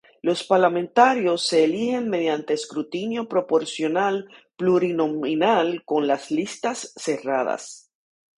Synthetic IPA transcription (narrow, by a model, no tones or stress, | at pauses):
lo̞spaɾlamẽnt̪aɾjo̞sːe̞ːlihe̞ŋme̞ðjant̪e̞ːskɾut̪injo̞pɾo̞po̞ɾsjo̞nalpluɾino̞minalko̞nlaslist̪asːe̞raða̰s